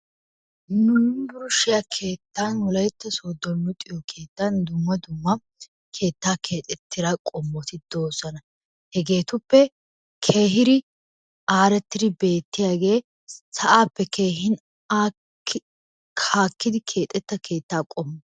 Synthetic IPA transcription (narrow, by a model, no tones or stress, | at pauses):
nʊbʊɾʊʃɪjakʰe̞ːt̪ːanwɔlɐjt̪ːɐsoːd̪ːɔnːʊt̪ʼɪjɔkʰe̞ːt̪ːand̪ʊmːɐd̪ʊmːɐ | kʰe̞ːt̪ːaːkʰe̞ːt̪ʼɛt̪ːɪɾakʼɔmːɔt̪ɪd̪oːsɐnɐ | hɛɡe̞ːt̪ʊpːɛ | kʰe̞ːɦɪɾɪ | aːɾɛt̪ːɪɾɪbe̞ːt̪ːɪjaːɡe̞ː | sɐʔaːpːɛkʰeːɦɪn | a | kʰaːkːɪd̪ɪkʰe̞ːt̪ʼːɛt̪ːɐkʰe̞ːt̪ːaːkʼɔmːɔ